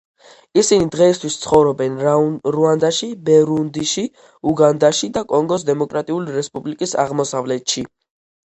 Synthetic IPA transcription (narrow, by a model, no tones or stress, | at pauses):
isinid̪ʁɛist̪ʰwist̪sʰχɔvɾɔbɛnɾuand̪aʃibɛɾund̪iʃi | uɡand̪aʃid̪akʼɔŋɡɔs̬d̪ɛmɔkʼɾat̪ʼiuliɾɛspʼublikʼisa̰ʁmɔsavlɛt̪ʃi